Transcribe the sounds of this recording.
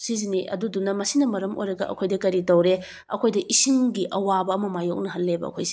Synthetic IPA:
siziniʔɐ̰dudunɐmɐsinɐmɐɾɐmʔo̰jɾɐɡɐ̰ɐ̰kʰojdɐkɐɾitowɾe | ɐkʰojdɐʔisiŋɡiʔɐwabɐːmɐmajok̚nɐɦɐlːebɐ̰ɐ̰kʰo̰jsi̥

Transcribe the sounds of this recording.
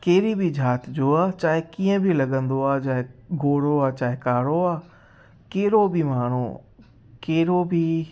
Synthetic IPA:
keːɾibʱid͡ʑʱaːt̪d͡ʑoːaːt͡ɕaːɦɪkiːə̃bʱilɐɠə̃nd̪oaːd͡ʑaːɦɪɡʱoːɽoaːt͡ɕaːɦɪkaːɽoaː | keːɾobʱimaːɽ̤̃o̰ | keːɾobʱi

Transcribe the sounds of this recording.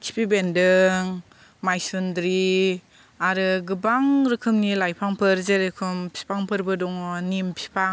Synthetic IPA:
kʰi̥pʰibendɯŋ | majsundɾi | aɾɯɡɯbaŋɾɯkʰɯmnilajpʰaŋpʰɯɾzeɾɯkʰɯmpʰi̥pʰaŋpʰɯɾbɯdɔŋɔnimpʰi̥pʰaŋ

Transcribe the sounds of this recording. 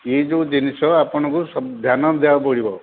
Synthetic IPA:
ed͡ʒẽd͡ʒinisɔapɔñɔ̃kusɔd̪ʱjanɔd̪eapɔɽibɔ

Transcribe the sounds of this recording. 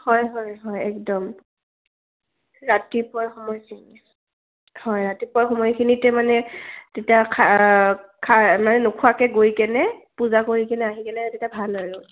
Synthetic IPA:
hɔjɦɔjɦɔjɛkdɔm | ɹatipɔɹxɔmɔjkʰini | hɔjɹatipɔɹxɔmɔjkʰinitɛmanɛtetiakʰa | kʰamanɛnukʰuakɛɡojkɛnɛpuzakoɹikɛnɛaɦikɛnɛtetiabʱalaɹʊ

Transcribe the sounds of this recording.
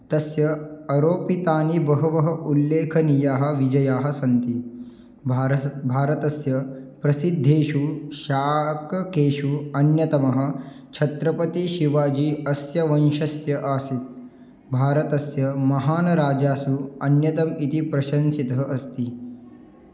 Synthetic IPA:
t̪ɐsjɐɐɾoːpit̪aːnibɐɦɐʋɐɦɐʔulːeːkʰɐnijaːɦɐ̆ʋid͡ʒɐjaːɦɐ̆sɐnt̪i | bʱaːɾɐt̪ɐsjɐpɾɐsid̪ʱːeːʃuʃaːkɐkeːʃuɐnjɐt̪ɐmɐɦɐ̆ | t͡ʃʰɐt̪ɾɐpɐt̪iʃiʋaːd͡ʒiːɐsjɐʋɐnʃɐsjɐʔaːsit̪̚ | bʱaːɾɐt̪ɐsjɐmɐɦaːnɐɾaːd͡ʒaːsuɐnjɐt̪ɐmit̪ipɾɐʃɐnsit̪ɐɦɐʔɐst̪i

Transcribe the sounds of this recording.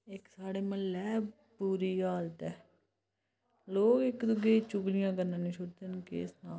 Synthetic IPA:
ɪksaːɽeːmə̃lːɛːb | puːɾiːaːlt̪ɛː | loːkɪkd̪ʊɡeːt͡ʃʊɡlɪjãːɡəɾnãːnĩːt͡ʃʰʊʈd̪enkḛːsnaː

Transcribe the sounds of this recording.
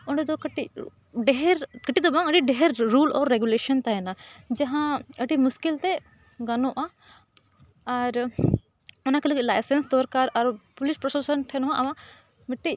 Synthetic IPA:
ɔɳɖɛd̪ɔkʈi | ɖɛɦɛɾkəʈid̪ɔbaŋəʈiɖɛɦɛɾːulɔ̰ɾːɛɡjuleʃɔnt̪aɦɛnad͡ʒaɦãəʈimuskilt̪ɛ | ɡanɔ̃ʔa | ɾ | ɔnakeləɡilajsɛnsd̪ɔɾkaɾaɾpulispɾɔsɔsɔnʈʰɛnɦãʔawa | miʈːi

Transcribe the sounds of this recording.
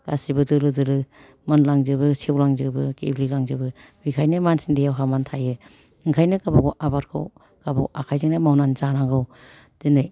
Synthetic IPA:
ɡ̥asibɯdɯlɯdɯlɯ | mɯnlaŋzɯbɯsewlaŋzɯbɯkḛblilaŋzɯbɯ | bikʰajnɯmansindejawɦamantʰajɯ | ɯŋkʰajnɯkabaɡɔwʔabaɾkʰɯ̰w | kabaʔakʰajzɯŋnamawnanzanaŋɡɯw | z̥ɯnɯj

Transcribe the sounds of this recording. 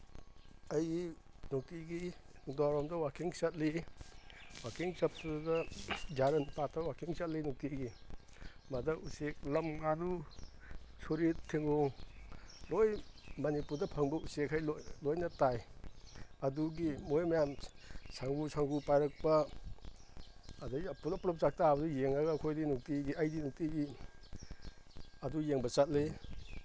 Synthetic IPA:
ɐji | nok̚tiɡidaɾɔmdɐwakʰiŋsɐt̚li | wakʰiŋsɐp̚tudɐd͡ʒaɾɐnpatʰɐwakʰiŋsɐt̚linok̚tiɡi | madɐʔusek̚lɐmŋanu | soɾittʰːeŋoŋ | lojmɐnipuɾdɐpʰɐŋbɐusekʰːajlolojnɐtaj | ɐduɡimojmɐjamsʰaŋbusaŋbupajɾɐk̚pɐ | daiapulɐpɾɔp̚t͡ʃak̚tabɐdujeŋaɡakʰojdinuk̚tiɡiajdinuk̚tiɡi | ɐdujeŋbɐt͡ʃat̚le

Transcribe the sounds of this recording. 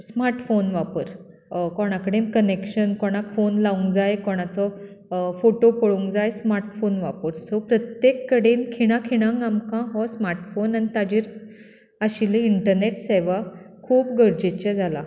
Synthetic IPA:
smaɾʈfonʋapəɾ | kɔɽ̃akəɽenkənekɕənkɔɽ̃akfonlauŋɡd͡zajkɔɽ̃at͡sɔ | foʈopəɭuŋɡd͡zajsmaɾʈfonʋapəɾsɔpɾət̪jekːəɽenkʰiɽ̃ãkʰiɽ̃ãŋɡamkãɦɔsmaɾʈfonanit̪ad͡ʑiːɾ | əɕiliiɳʈəɾneʈseʋakʰuːpɡəɾd͡ʑet͡ɕad͡zʱala

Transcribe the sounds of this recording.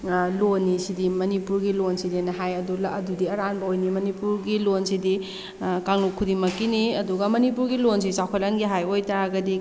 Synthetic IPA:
lonːisidimɐnipuɾɡilonsidenɐɦajɐdulɐɐdudiɐɾanbɐojnimɐnipuɾɡilonsidi | kaŋnukʰːudiŋmɐkːiniɐduɡɐmɐnipuɾɡilons̬isawkʰɐlɐnɡiɦajojtaɡɐdi

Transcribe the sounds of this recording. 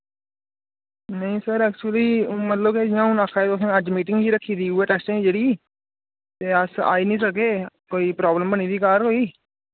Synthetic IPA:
nəĩːsəɾɛːk̚t͡ʃuəliːmət̪ləbked͡ʒɪãːũːnaːkʰaːet̪osẽːəd͡ʒmiːʈɪ̃ŋɡɦiːɾəkʰːiːd̪iːuɛːʈɛːsʈẽĩd͡ʒeːɽiː | t̪eːəsa̰ːiːnəĩːsəkeːkoːiːpɾaːbləmbəñiːd̪iːkaːɾɦoːiː

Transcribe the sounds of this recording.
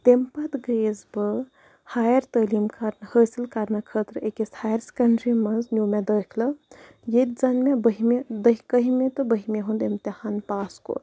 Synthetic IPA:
t̪empɐt̪ɡeːzbɨ | haːjɐɾt̪əːliːmkʰɐɾnhəːsilkɐɾnɐkʰəːt̪ɾekeshaːjɐɾsʲkɐɳɖɾimɐnznʲjumed̪əːkʰlɐ | jet̪̚ʲzɐnmebəɦimed̪əɦʲikəɦimet̪ɨbəɦimeɦund̪emt̪ihanpaːsko̰

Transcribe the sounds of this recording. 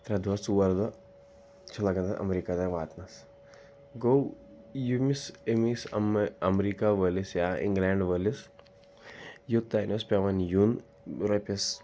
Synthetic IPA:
t̪ɾɐd̪ʋɐsuʋɐɾd̪ɐ | t͡ʃʰɐlɐɡɐnd̪ɐʔɐ̰mɾiːkad̪aʋaːt̪nɐs | ɡow | jumisemisɐmɐmɾikaʋəlisjaḭŋɡlaːɳɖʋəlis | jut̪ːainɐspʲeʋɐnjun | ɾɐpʲɐs

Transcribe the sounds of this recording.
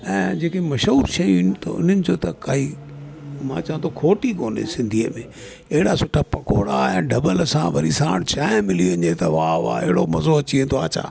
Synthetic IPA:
ɛ̃ːd͡ʑeːkemɐʃɦuːɾʃɐjinɪt̪ɐ̰ʊ̰n̤ənɪ̆d͡ʑoːt̪ɐkai | mãːt͡ɕɐʋə̃t̪ʰokʰoːʈikoːnḛsɪ̃nd̪ʱiːəmẽː | ɐɦɪɽasʊʈʰapɐkoːɽaẽːɖɐbəlsãʋɐɾisãːɽt͡ɕaːɪmɪliɐɲet̪ɐʋaʋa̰ːeɦɪɽomɐzoɐt͡ɕiẽːnt̪ʰoaːt͡ɕʰa̰ː

